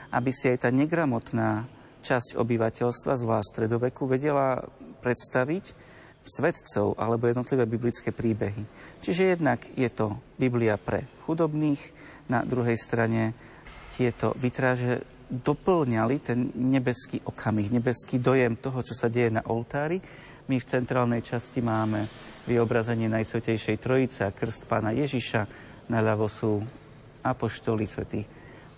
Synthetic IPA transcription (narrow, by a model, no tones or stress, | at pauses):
ʔa̰bisiajt̪aːɲɛɡɾamɔt̪naː | t͡ʃascɔ̰biʋacɛʎst̪ʋazʋlaːʃtst̪ɾɛd̪ɔʋɛkuʋɛɟɛlapɾɛt̪st̪aʋic | sʋɛt̪t͡sɔ̰ʊʔa̰lɛbɔjɛd̪nɔt̪liʋɛːbiblit͡skɛːpɾiːbɛɦit͡ʃiʒɛjɛd̪naɡjɛt̪ɔbibliapɾɛ̰xud̪ɔbniːx | na̰d̪ɾuɦɛjst̪ɾaɲɛ | t̪ɪɛt̪ɔ̰ʋit̪ɾaːʒɛ | d̪ɔpl̩ɲalit̪ɛnɲɛbɛskiːʔɔkʰamixɲɛbɛskiːd̪ɔjɛmt̪ɔɦɔt͡ʃɔsaɟɛjɛna̰ʔɔlt̪aːɾi | mift͡sɛnt̪ɾaːlnɛjt͡ʃascimaːmɛʋiɔbɾazɛɲɪɛnajsɔcɛjʃɛjt̪ɾɔit͡sɛakr̩st̪pa̰ːnajɛʒiʃa | naʎaʋɔsuː | apɔʃt̪ɔlisʋɛ̰t̪i